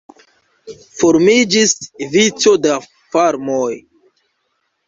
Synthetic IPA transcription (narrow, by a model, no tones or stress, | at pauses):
foɾmid͡ʒisvit͡so̞da | faɾmoj